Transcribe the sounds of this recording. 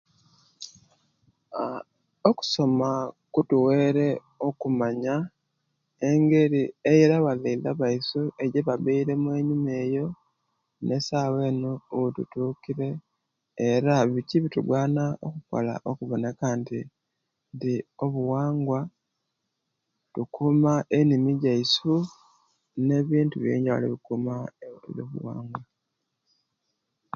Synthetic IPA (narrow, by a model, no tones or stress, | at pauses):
oku̥so̞makutuwe̞ːɾe̞ | o̞kumaɲa | e̞ŋɡe̞ɾie̞jeɾaβaleilaβaisue̞ɟeβaβeiɾe̞mwe̞ːɲume̞ːjo̞ | ne̞saːwe̞ːnuutṵtuːkiɾe̞ː | ɾaβiciβituɡwaːnao̰kuko̞̰la̰ʔokuβo̞ne̞kanti | ndio̞βuwaːŋɡwa | tukʰumaʔenimiɟaisu | ne̞βiːntuβjḛːɲɟaṵlḭβikumaβjo̰βṵwa̰ːŋɡwa